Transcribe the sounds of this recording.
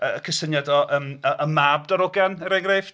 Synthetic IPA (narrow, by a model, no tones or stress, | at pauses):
əkʰəsənjadɔʔəːməʔəmab̚dɔɾʊɡanəɾɛŋref